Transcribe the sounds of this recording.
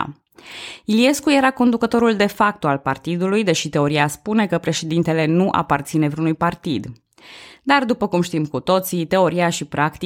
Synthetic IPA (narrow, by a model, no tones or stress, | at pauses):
ilie̞skuje̞ɾako̞nd̪ukət̪o̞ɾuld̪e̞fak̚t̪oalpart̪id̪ulujd̪e̞ʃit̪e̞o̞ɾiaspune̞kəpɾe̞ʃe̞d̪int̪e̞le̞nuʔa̰part̪sine̞vɾiunujpart̪id̪ | d̪ard̪upəkumʃt̪imkut̪o̞t̪sit̪e̞o̞ɾiaʃipɾakt̪i